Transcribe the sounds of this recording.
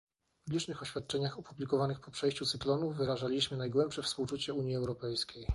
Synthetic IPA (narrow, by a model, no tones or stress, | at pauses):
pblʲit͡ʂnɘxɔɕfʲjat̪̚t͡ʂɛɲaxɔpublʲikɔvanɘxpɔpʂɛjɕt͡ɕut̪sɘklɔnuːɘɾaʐalʲiɕmɘnajɡwɛmpʂɛfspuwt͡ʂut͡ɕɛuɲjiɛwɾɔpɛjskʲej